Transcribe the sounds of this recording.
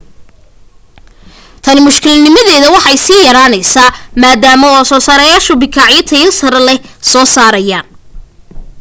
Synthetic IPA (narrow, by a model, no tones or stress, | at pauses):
t̪ʰɐnɪmʊʃkʰɪlnɪmɐðɛːðɐwɑħɑjsiːjɐɾaːnɐjsaːmaːd̪aːmɔwɑsɔːsaːɾɐjaːʃʊbɪkʰaːʕjɐt̪ʰɐjɐlsɐɾɐlɛsɔːsaːɾɐjaː